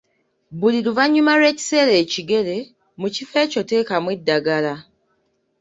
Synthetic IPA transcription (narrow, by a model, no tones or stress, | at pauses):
buliɾuvaɲːumaɾwe̞ːci̥se̞ːle̞ːciɡe̞le̞ | mucife̞ːco̞te̞ːkamwedːaɡala